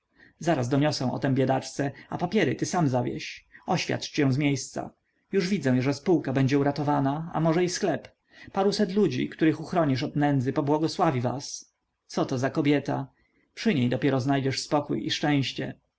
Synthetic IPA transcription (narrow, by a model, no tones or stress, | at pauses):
zaɾazd̪ɔɲɔsɛ̃w̃ʔɔ̰t̪ɛmbʲjɛd̪at͡ʂt̪sɛapapʲjɛɾɘ̰t̪ɘsamzavʲjɛ̰ɕɔɕfʲja̰t̪ʂt͡ɕɛ̃w̃zmʲjejst̪sa̰ | juʐvʲid̪zɛw̃ʐɛspuwkabɛɲd͡ʑɛuɾat̪ɔvanaa̰mɔʐɛisklɛp | paɾusɛt̪̬lud͡ʑḭkt̪uɾɘxuxɾɔɲiʂ̬ɔd̪nɛnd̪zɘpɔbwɔɡɔswavʲiva̰s | t̪sɔt̪ɔzakɔbʲjɛt̪a̰ | pʂɘɲejd̪ɔpʲjɛɾɔznajd͡ʑɛʂspɔkujḭʂt͡ʂɛ̃w̃ɕt͡ɕɛ